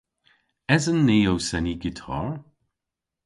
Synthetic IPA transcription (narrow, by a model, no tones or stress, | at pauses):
ɛzənːeːowsɛniɡɪtʰɔ̰ɹ